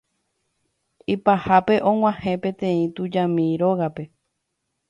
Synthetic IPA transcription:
ipahape̞ʔõ̞ŋ̃ʷãhẽ̞pẽ̞t̪ẽ̞ĩt̪ud͡ʒãmĩɾo̞ɣape̞

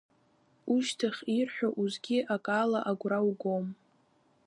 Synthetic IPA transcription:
uʃtʰaχʲirħʷᶣaʔuzɡʲiʔakʼaːlaʔaɡʷrawɡom

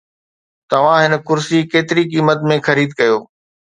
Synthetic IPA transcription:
t̪ɐʋ̤ãɦɪnə̆kʊɾsikeːt̪ɪɾikiːmət̪mẽxɐɾiːd̪̚kɐjoː

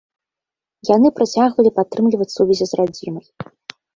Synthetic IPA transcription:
janɨpɾat͡sʲaɣvɐlʲipat̪ːɾɨmlʲivɐt͡sʲsuvʲɛzʲizrad͡zʲimɐj

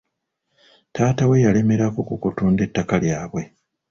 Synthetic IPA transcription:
taːtawe̞jale̞me̞ɾakokukutuːnde̞tːakaljaːβwe̞

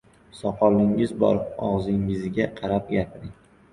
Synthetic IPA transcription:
sɒqʰɒlˠɪŋɪzbɒ̰ɾpɒʁzɪŋɪzɪɡʲaqʰɑɾapjʲapʰɪɾɪŋ

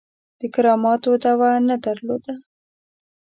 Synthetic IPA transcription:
d̪̥əkɪɾɑmɑt̪od̪awanad̪əɾlo̰d̪a

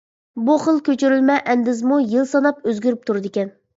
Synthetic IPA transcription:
buχəlˠkʲøt͡ʃʰyɾylmɛʔɛnd̪ɪzmujɨlˠsɑnɑp̚øzɡʲyɾyp̚t̪ʰuɾd̪ɪkʲɛn

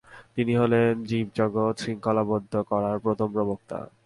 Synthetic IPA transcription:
t̪iniɦolend͡ʑib̚d͡ʑɔɡot̪ʃɾiŋkɔlabɔd̪ʱːokɔɾaɾpɾot̪ʰompɾobok̚t̪a̰

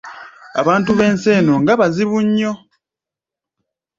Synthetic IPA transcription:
a̰βaːntuβe̞ːnse̞ːno̞ŋɡaβaziβuɲːo̞

